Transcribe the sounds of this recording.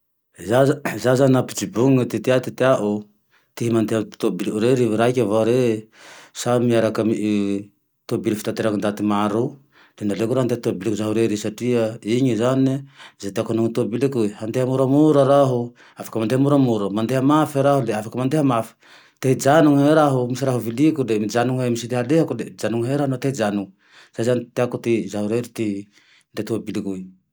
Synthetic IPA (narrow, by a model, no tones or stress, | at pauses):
zazazaniapid͡zibuŋŋət̪et̪iat̪it̪eaʔo | t̪iɦimand̪eɦat̪obilɾeɾiɾaikʲavaɾe | samiaɾakami | t̪obilifi̥t̪ant̪eɾaŋind̪at̪imaɾu | d̪̥enalekuɾaɦand̪et̪obilikuzaɦuɾeɾesaʈ͡ʂiəiɲizaniizatiakonuŋtuabilikujhandehamuɾamuɾaɾaɦo | afḁkamandehamuɾamuɾamandehamafeɾaholafakamandehamaf | tehid͡ʒanuŋheɾaɦomisaɾahuvilikuded͡ʒanuŋemisidehalehakued͡ʒanuŋeɾahnotehid͡ʒanuŋ | sazanteakotizahuɾeɾiti | ndetuabilikuj